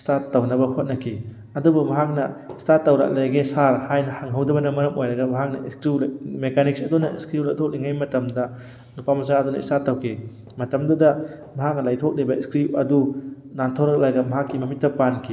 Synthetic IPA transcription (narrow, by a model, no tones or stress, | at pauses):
statːɐwnɐbɐhot̚nɐkʰi | ɐdubumɐɦak̚nɐstatːɐwɾa̰k̚lejɡesaɾhajnɐhaŋɦɐwdɐbɐnɐmɐɾɐmojɾɐɡɐmɐɦak̚nɐiskɾilmekʰaniksɐdunɐiskɾiwlajtʰok̚liŋajmɐtɐmdɐ | nupamɐzaɐdunɐḭstatːɐwkʰe | mɐtɐmdɐdɐmɐɦak̚nɐlajtʰok̚libɐiskɾiɐ̰du | nantʰawɾɐk̚laɡɐmɐɦakːimɐmit̚ːɐpankʰi